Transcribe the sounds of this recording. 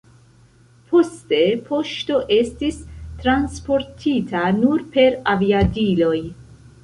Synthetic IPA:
pʰo̞ste̞pʰo̞ʃto̞ʔe̞stistɾanspo̞ɾtʰitʰanuɾpe̞ɾaviadilo̞j

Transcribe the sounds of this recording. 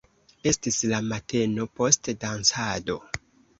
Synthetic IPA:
e̞stislamate̞no̞po̞stdansado̞

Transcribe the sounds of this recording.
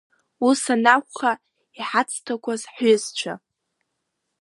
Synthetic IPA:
usanakʷʰʼχa | iħat͡sʼʰtʰakʷazħʏzt͡ʃʷʰa̰

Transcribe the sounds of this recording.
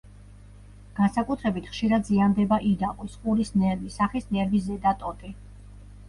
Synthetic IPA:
ɡ̥ansakʼut̪ʰɾɛbit̪ʰχʃiɾad̪ziand̪ɛbaʔid̪aqʼisχʼuɾisnɛɾvisaχisnɛɾvizɛd̪at̪ʼɔt̪ʼi

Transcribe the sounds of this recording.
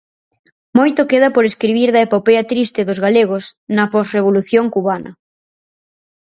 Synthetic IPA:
mojt̪okeð̞ɐpoɾeskɾiβiɾðɐepopeɐt̪ɾist̪ɪðozɣaleɣ̞osnɐpɔsreβ̞oluθjoŋkuβanɐ̰

